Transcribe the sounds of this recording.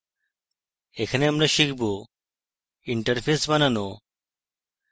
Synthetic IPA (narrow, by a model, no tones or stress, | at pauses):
ekʰɐneɐmɾaʃikʰbo | iɳʈəɾpʰesbɐnano